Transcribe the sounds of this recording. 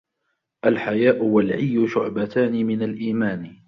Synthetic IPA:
ʔalħajaːʔʊwalʕɪjːʊʃʊʕbat̪aːnɪmɪnalʔiːmaːn

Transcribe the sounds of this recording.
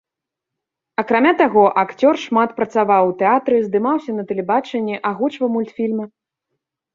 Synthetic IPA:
ɐkɾamʲat̪aɣɔʔakt͡sʲɔrʂmat̪pɾɐt̪savawt̪ɛat̪ɾɨzd̪ɨmawsʲɐnɐt̪ɛlʲɛbat͡ʂɛnʲːɛʔaɣut͡ʂvɐmulʲt̪fʲilʲmɐ

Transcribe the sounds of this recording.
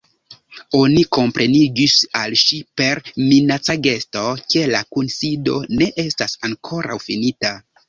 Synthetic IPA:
o̞niko̞mpɾe̞niɡisalʃipe̞ɾminat͡saɡe̞sto̞ke̞lakunsido̞ne̞ʔe̞stasaŋkʰo̞ɾʔa̰wfinita

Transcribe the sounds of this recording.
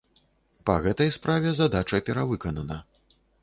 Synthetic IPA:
pɐɣɛt̪ɐjspɾavʲɛzad̪at͡ʂɐpʲɛɾavɨkɐnɐnɐ

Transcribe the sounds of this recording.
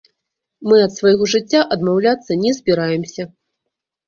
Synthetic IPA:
mɨɐt̪svɐjɣɔʐɨt͡sʲːaʔɐd̪mawlʲat̪sːɐnʲɛzʲbʲiɾajɛmsʲɐ

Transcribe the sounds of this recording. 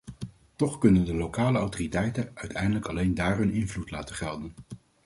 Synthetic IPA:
tɔχkɵnəndəlowkaːləɑwtoritɛjtənœɥtʰɛjndələkɑlejndaːrɦɵnɪnvlutlaːtəχɛlˠdən

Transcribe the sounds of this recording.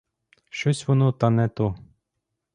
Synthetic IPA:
ʃɔsʲʋɔnɔt̪anɛt̪ɔ

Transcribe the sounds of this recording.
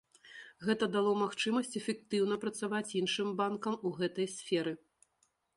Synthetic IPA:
ɣɛt̪ɐd̪alˠɔmaxt͡ʂɨmɐsʲt͡sʲɛfʲɛk̚t̪ɨwn̪ɐpɾɐt̪savat͡sʲjinʂɨmbankɐmuɣɛt̪ɐjsʲfʲɛɾɨ

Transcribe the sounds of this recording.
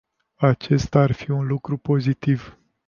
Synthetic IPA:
at͡ʃe̞st̪arfiunlukɾupo̞zit̪iv

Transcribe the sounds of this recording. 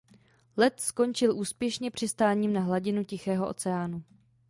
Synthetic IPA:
lɛt̪sko̞nt͡ʃɪlʔuːspjɛʃɲɛpr̥ɪst̪aːɲiːmnaɦlaɟɪnucɪxɛːɦoʔo̰t͡sɛaːnu

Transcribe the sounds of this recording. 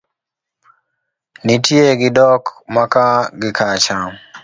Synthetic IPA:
nitieɡidɔkmakaɡɪkat͡ʃa

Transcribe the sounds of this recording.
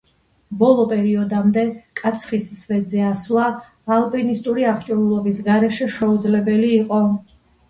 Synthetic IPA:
bɔlˠɔpʼɛɾiɔd̪amd̪ɛkʼat̪sʰχissvɛd̪zɛaslˠa | alˠpʼɛnist̪ʼuɾiaχt͡ʃʼɔɾulˠɔbisɡaɾɛʃɛʃɛud̪zlɛbɛliːqʼɔ

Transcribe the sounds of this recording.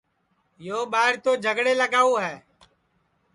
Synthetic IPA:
joːɓaːɪɾt̪oːd͡ʒʱəɡɽeːləɡaːuːɦɛː

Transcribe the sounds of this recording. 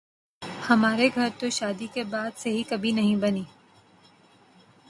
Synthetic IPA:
hɐmaːɾeɡʱɐɾt̪oʃaːd̪ikebaːd̪seɦikɐbʱinɐɦĩbɐniː

